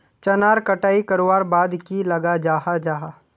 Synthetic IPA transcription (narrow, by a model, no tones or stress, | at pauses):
t͡ʃɐnaːɾkɐʈaːikɐɾowaːɾbaːd̪kilɐɡad͡ʒaːɦad͡ʒaːɦa